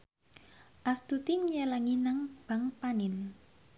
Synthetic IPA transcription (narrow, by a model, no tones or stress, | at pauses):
ʔast̪ut̪iɲelaŋinaŋb̥a̤ŋpanɪn